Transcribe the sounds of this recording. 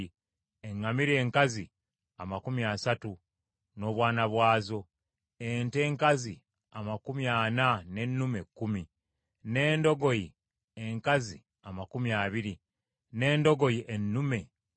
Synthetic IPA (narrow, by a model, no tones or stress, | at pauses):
eŋːamiɾe̞ːŋkazi | amakumiasatu | no̞ːβwaːnaβwaːzo̞ | ente̞ːŋkazi | amakumiaːnane̞nːume̞kːumi | ne̞ːndo̞ɡo̞ji | eŋkazi | amakumiaβiɾi | ne̞ːndo̞ɡo̞jiʔenːume̞